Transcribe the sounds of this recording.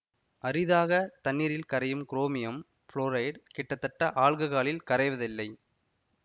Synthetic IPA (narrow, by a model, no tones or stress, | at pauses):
ɐɾɪðaːɣɐt̪ɐnːiːɾɪlkɐɾɐjɯmkɪɾoːmɪjɐm | fɭoːɾɐɪɖkɛʈːɐt̪ːɐʈːɐʔaːɭɣɯɣaːɭɪlkɐɾɐɪʋɐðɪlːɐɪ